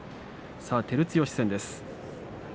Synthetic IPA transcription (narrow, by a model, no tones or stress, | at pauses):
saːt̪e̞ɾɯ̟t͡sɨjo̞ːɕi̥sẽnd̪e̞sɨ̥